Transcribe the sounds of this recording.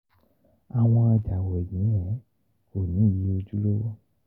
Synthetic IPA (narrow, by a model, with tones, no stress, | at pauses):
a˨w̃ɔ̃˧a˧d͡ʒa˨we˨ɲĩ˨˦ɛ̃˨˦ | ko˨nĩ˨˦ji˨˦o˧d͡ʒu˦lo˦wo˦